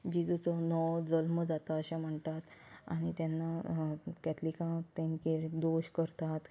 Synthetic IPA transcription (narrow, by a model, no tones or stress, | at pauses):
d͡ʑid̪ut͡sɔnɔwd͡zəlməd͡zat̪aəɕẽm̤əɳt̪at̪a̰ñit̪janːakɛt̪likãt̪ẽnkeɾd̪oɕkəɾt̪at̪